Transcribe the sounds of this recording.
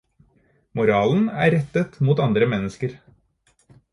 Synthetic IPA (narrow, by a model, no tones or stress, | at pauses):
mʊɾɑːln̩æ̰ːɾɛt̪ət̪muːt̪ɑnd̪ɾəmɛnːəskəɾ